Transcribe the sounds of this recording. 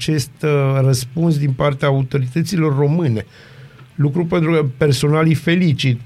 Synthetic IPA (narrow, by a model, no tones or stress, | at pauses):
t͡ʃe̞st̪rəspunsd̪inpart̪eaaut̪o̞ɾit̪ət̪silo̞rːo̞mɨne̞ | lukɾupe̞nt̪ɾukəpe̞rso̞nalijfe̞lit͡ʃit̪̚